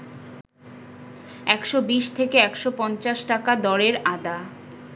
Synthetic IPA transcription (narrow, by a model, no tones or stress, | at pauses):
ɛkʃobiʃt̪ʰekeɛkʃopɔnt͡ɕaʃʈakad̪ɔɾeɾad̪a